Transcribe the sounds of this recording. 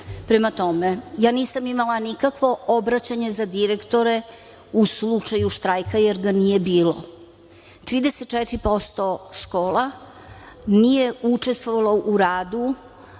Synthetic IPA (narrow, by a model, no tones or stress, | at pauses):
pɾemat̪o̞mejaːniːsamimalanikakʋo̞ʔobɾat͡ɕaɲe̞zad̪iɾekt̪o̞ɾe̞ | uslut͡ʂajuʃt̪ɾajkajeɾɡanije̞biːlo̰ | t̪ɾiːd̪eset̪̚ːt͡ʃɛt̪ɾipo̞st̪o̞ʃkoːla | nije̞ut͡ʂe̞st̪ʋoʋalˠoʔuɾaːd̪u